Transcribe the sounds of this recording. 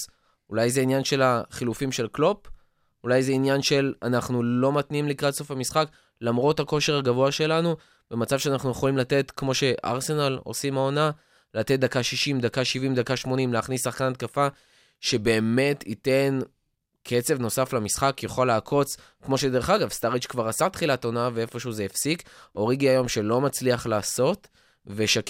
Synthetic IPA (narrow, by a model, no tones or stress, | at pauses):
ulajzeinjanʃe̞laχilufimʃe̞lklo̞p | ulajzeinjanʃe̞lanaχnulo̞matniimlikʁatso̞famisχak | lamʁo̞thako̞ʃe̞ʁhaɡavoaʃe̞lanu | b̥e̞mat͡savʃeanaχnujeχo̞limlat̪e̞tkmo̞ʃe̞ʔa̰ʁse̞nalo̞̰simao̞na | lat̪et̚d̪akaʃiʃimd̪akaʃivimd̪akaʃmo̞nimleaχnisːaχkanat̪̚kafa | ʃe̞be̞ːme̞tʰite̞n | kʰe̞t͡se̞vno̞saflamisχakjaχaleakʰo̞t͡s | kmo̞ʃe̞d̪e̞ʁeχaɡavst̪aʁit͡ʃkvaʁasat̪χilatonavee̞fo̞ʃuzeefsiko̞ʁiɡiajo̞mʃe̞lo̞mat͡sliaχlaːso̞t | ve̞ʃak